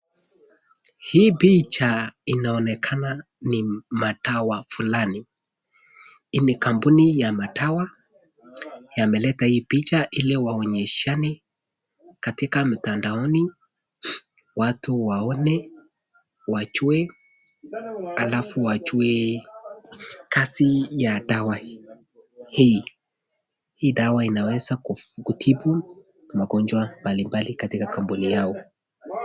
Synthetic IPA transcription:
hiːpit͡ʃainaɔnɛkʰana | nimatawafulani | inikambunijamatawa | jamɛlɛtahiːpit͡ʃaʔiliwaɔɲɛʃanɛ | katikam̩tandaɔni | watuwaɔnɛ | wat͡ʃuɛ | alafuwat͡ʃuɛ | kasijadawa | hi | hiːɗawainawɛzakufuɡutʰibu | maɡɔnd͡ʒwambalimbalikatikakambunijaɔ

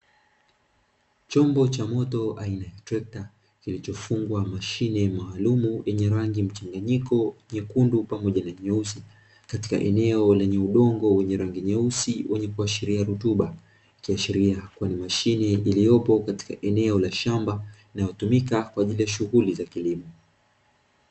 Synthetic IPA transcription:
t͡ʃɔmbɔt͡ʃamɔtɔainajatɾɛk̚ta | kilit͡ʃɔfuŋɡwamaʃinɛmaːlumujɛɲɛɾaŋɡim̩t͡ʃaŋɡaɲikɔɲɛkundupamɔʄanaɲɛusi | kati̥ka̰ʔɛnɛɔlɛɲɛuɗɔŋɡɔwɛɲɛɾaŋɡiɲɛusiwʔɛɲɛkuaʃiɾiaɾutuɓa | kiaʃiɾiakwanimaʃinɛilijɔpɔkati̥kaʔɛnɛɔlaʃambainajɔtumikakwaːʄilijaʃuɣulizakilimɔ

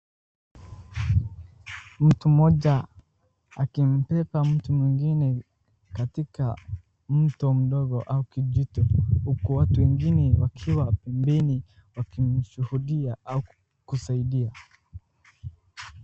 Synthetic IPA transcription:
m̩tumɔʄa | akim̩pɛpam̩tumwiŋɡinɛ | katika̰ | m̩tɔm̩ɗɔɡɔʔaukiʄitɔhukuwatuwɛŋɡinɛwakʰiwapɛmbɛni | wakim̩ʃuhuɗiaau | kusaiɗia

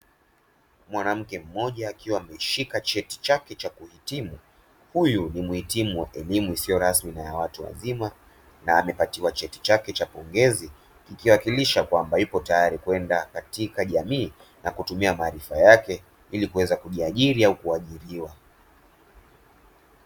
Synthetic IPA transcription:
mwanam̩kɛm̩mɔʄaːkiwaːmɛʃikat͡ʃɛti̥t͡ʃakɛt͡ʃakuhitimu | hujunimuhitimuaʔɛlimuisijɔɾasminajawatuwa̰zima | naːmɛpatiwat͡ʃɛti̥t͡ʃakɛt͡ʃapɔŋɡɛzi | kikiwakiliʃakwambajupɔtajaɾikuwɛndakatikaʄamiː | nakutumiamaːɾifajakɛ | ilikuwɛzakuʄiaʄiɾiaukuaʄiɾiwa

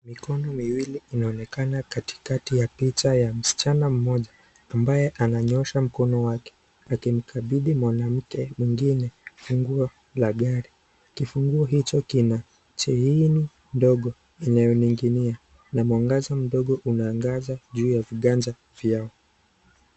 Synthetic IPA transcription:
mikɔnɔmiwiliːnaɔnɛkanakati̥katijapit͡ʃajam̩si̥t͡ʃanam̩mɔʄaː | mbajɛʔanaɲɔʃam̩kɔnɔwakɛ̥ | akim̩kʰaɓiɗimwanam̩kɛmwiŋɡinɛfuŋɡua | laɠaɾi | kifuŋɡuɔɦit͡ʃɔkina | t͡ʃɛini | ndɔɠɔ | ɛnajɔniŋɡinia | namwaŋɡazɔm̩ɗɔɠɔʔunaːŋɡazaʄuːjaviɠand͡ʒa | vjaɔ

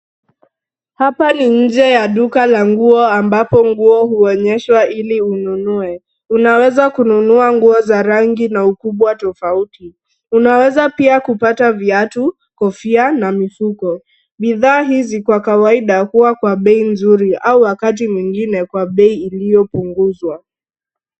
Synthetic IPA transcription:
hapaniɲ̩d͡ʒɛjaɗukalaŋɡuɔambapɔŋɡuɔhuɔɲɛʃwailiununuɛ | unawɛzakununuaŋɡuɔzaɾaŋɡinaukuɓwatɔfauti | unawɛzapiakupataviatu | kɔfianamifukɔ | ɓiðaːɦizikwakawaiɗakuwakwaɓɛinzuɾiʔauwakat̬imwiŋɡinɛkwaɓɛiːlijɔpuŋɡuzwa

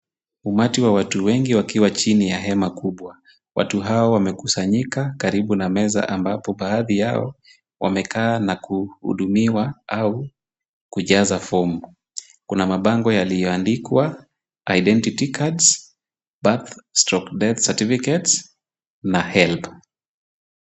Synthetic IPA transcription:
umatiwawatuwɛŋɡiwakiwat͡ʃinijaɦɛmakuɓwa | wa̰tuɦaɔwamɛkusaɲikakaɾiɓunamɛza̰ʔambapɔɓaːðijaɔ̰ | wʔa̰mɛkaːnakuhṵɗumiwaau | kuʄazafɔm | kunamaɓaŋɡɔjalijɔandikwa | aiɗɛntitikʰads | baθstɾɔkdɛθsatifikɛts | nahɛlp

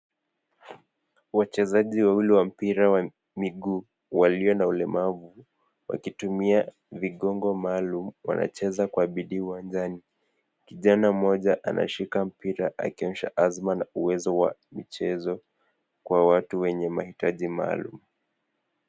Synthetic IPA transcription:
wat͡ʃɛzaʄiwawiliwam̩piɾawa | miɠuː | waliɔnaulɛmavu | wa̰kitumia | viɠɔŋɡɔmaːlumwa̰na̰t͡ʃɛzakwaɓiɗiːuwand͡ʒani | kiʄanam̩mɔʄaʔanʔa̰ʃikam̩piɾaʔa̰kiɔnʃa̰ʔazmanauwɛzɔwa̰mit͡ʃɛzɔ | kwawatuwɛɲɛmahitaʄima̰ːlṵm̩

